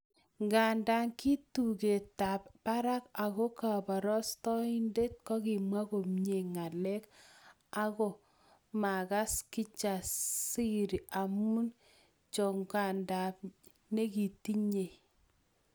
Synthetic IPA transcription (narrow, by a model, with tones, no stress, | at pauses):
ŋɡa˨nda˨˦ŋki˦tu˨ke˨ta˨p̚ːa˦ɾa˦ka˨ɣo˦ka˨ba˨ɾɔ˦stɔ˦i˦nde˦t̚kɔ˦ki˨mwa˦ko˨mɲe˨ŋa˨lɛ˦k | a˦ɣɔ˨ | ma˨ka˦ski˦t͡ʃa˨si˦ɾi˨a˨mu˦n | t͡ʃɔ˨ŋɡa˨nda˨p̚ | ne˦ki˨ti˦ɲe˨